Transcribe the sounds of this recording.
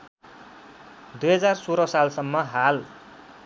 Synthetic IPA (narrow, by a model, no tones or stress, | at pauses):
d̪ujɦʌd͡zarsoɾʌsalsʌmːʌɦal